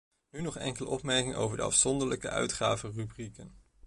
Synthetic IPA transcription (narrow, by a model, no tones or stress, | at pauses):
nynɔχɛŋkələ̰ʔɔpmɛɹkɪŋo̰wvəɹdə̰ɑ̰fsɔndəɹləkə̰œ̰ɥtχaːvərybrikən